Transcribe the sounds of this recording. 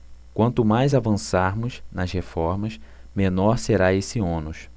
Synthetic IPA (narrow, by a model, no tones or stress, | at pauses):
kwɐ̃nt̪ʊmajzavɐ̃saɾmʊznɐshefɔɾmɐs | mẽnɔɾseɾaesɪõnʊʃ